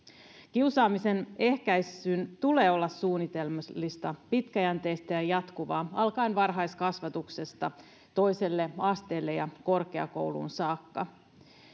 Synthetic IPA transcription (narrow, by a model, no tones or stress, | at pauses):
k̟iusɑːmise̞ne̞hkæjsynt̪ule̞ːo̞lːɑssuːnːit̪e̞lmlːist̪ɑpit̪kæjænt̪e̞ːst̪æjɑjɑt̪kuʋɑːɑlkɑinʋɑrɦɑjskɑsʋɑt̪ukse̞st̪ɑ | t̪o̞jse̞lːe̞ɑst̪e̞ːlːe̞jɑko̞rke̞ɑ̰ko̞̰wlṵnsɑːkːɑ